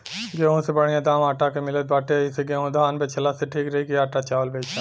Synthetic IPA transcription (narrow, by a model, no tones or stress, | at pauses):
ɡeːõsebəɽ̤ĩjãd̪ãːmaːʈakemɪlət̪̚baːʈeiseɡeːɦõd̪aːnbet͡ʃʰɐlaseʈʰiːkɾɐɦikiaːʈat͡ʃaːʋlbeːt͡ʃʰa